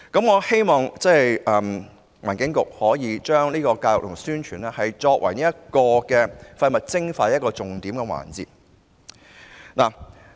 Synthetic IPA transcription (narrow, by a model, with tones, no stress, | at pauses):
kɐ˨˥mŋɔː˨˧he˥jmɔː˨ŋt͡sɛː˥˩jʔɐː˨m | waː˨˩nkɪ˨˥ŋkʊ˨k̚hɔː˨˥jiː˨˧t͡ʃœː˥ŋliː˥kɔː˧kaː˧jʊ˨k̚lʊ˨˩ŋsyː˥nt͡ʃʰyː˨˩nɛː˥hɐ˨jt͡sɔː˧k̚wʔɐ̰˨˩jniː˥jɐ˥t̚kɔː˧kɛː˧fɐ˧jmɐ˨t̚t͡sɪ˥ŋfaː˧˦ɐ˥t̚kɔː˧t͡sʊ˨ŋt̪iː˨˥mkɛː˧wa̰ː˨˩nt͡sḭː˨˩t̚ | naː˨˩